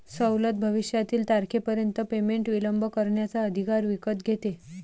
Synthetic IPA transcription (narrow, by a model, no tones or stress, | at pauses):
səwlət̪̚bʱəʋiɕjat̪iːlt̪aɾkʰepəɾjənt̪əpemeɳʈʋiləmbʱəkəɾɳjat͡saəd̪ʱikaɾʋikət̪ɡʱet̪e